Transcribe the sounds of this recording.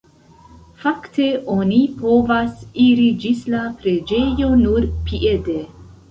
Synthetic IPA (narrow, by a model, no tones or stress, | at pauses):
fakte̞ʔo̞nipo̞vasiɾid͡ʒislapɾe̞d͡ʒe̞jo̞nuɾpiʔede